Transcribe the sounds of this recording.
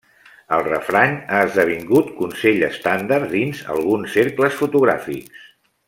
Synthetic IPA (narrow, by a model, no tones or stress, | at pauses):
əlˠrəfɾaɲaəzðəβ̞iŋɡut̪kunseʎə̰st̪and̪ard̪inzə̰lˠɣunsːeɾkləsfut̪uɣɾa̰fḭks